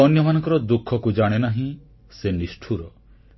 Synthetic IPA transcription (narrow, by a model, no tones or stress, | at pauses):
ɔnjɔmanɔŋkɔɾɔd̪ukʰːɔkud͡ʒaɽ̃enaɦĩ | senisʈʰuɾɔ